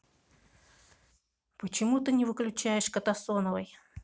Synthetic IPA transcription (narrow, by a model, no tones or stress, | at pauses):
pət͡ɕɪmut̪ɨnʲɪvɨklʲʉt͡ɕæjɪʂkət̪ɐsonəvəj